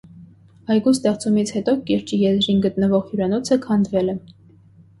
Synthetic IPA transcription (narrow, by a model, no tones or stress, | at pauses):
ɑjɡust̪ɛʁt͡sumit͡sʰhɛt̪ɔkɛɾt͡ʃijɛzɾinɡət̪nəvɔʁjuɾɑnɔt͡sʰəkʰɑnd̪vɛlɛ